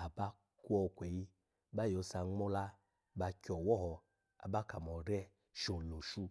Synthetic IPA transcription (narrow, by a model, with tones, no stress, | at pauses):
a˨ba˦ | ku˦ɔ˧kʷɛ˨ji˧ | ba˦jo˧˦sa˧ŋ͡mo˦la˦ | ba˧kʲɔ˨wɔ˦ɦɔ˧ | a̰˨ba˦ka˨mɔ˨ɾɛ˦ | ʃo˨lo˨ʃu˧